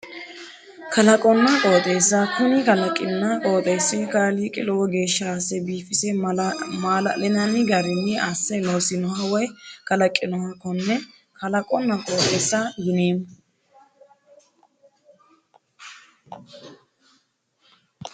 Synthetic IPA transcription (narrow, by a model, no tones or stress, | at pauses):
kʰɐlɐkʼɔnːɐkʼo̞ːt̪ʼeːsːɐkʊnɪkɐlɐkʼːɪnːɐkʼoːt̪ʼeːsːɪkaːliːkʼɪlɔwɡe̞ːʃːasɛbiːfɪsɛmaːlɐ̰lɪnɐnɪɡɐɾɪnːɪasːɛloːsɪnɔhɐwɔjkɐlɐkʼːɪnɔhɐkːɔnːɛ | kɐlɐkʼɔnːɐkʼoːt̪ʼeːsːɐɡʊneːm